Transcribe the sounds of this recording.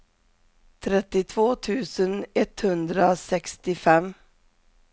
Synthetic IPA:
t̪ʰɾɛt̪ːɪt̪ʰvoːt̪ʰʉ̟ːsənɛt̪hɵnd̪ɾasɛkst̪ɪfɛm

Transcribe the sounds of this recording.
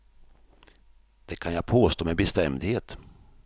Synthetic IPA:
d̪̥ɛkʰanjapʰoːst̪oːmɛbɛst̪ɛmd̪heːt̪

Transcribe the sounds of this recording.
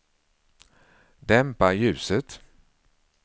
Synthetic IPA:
d̪ɛmpaɾjʉ̟ːsət̪

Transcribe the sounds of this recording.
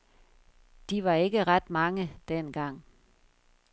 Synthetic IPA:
d̥iʋɑ̈e̝ɡ̥əʁɑd̥mɑ̈ŋəd̥enɡ̥ɑ̈ŋ̰

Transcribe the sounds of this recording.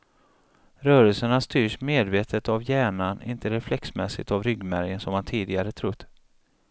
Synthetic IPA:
ɾœːɾəlsəɳast̪yːʂmeːd̪veːt̪ʰət̪avjæːɳanɪ̰nt̪ʰəɾɛflɛksmɛsɪ̰t̪avɾʏɡmæɾjənsɔmhant̪ʰiːd̪ɪɡaɾət̪ʰɾʊt̪ː

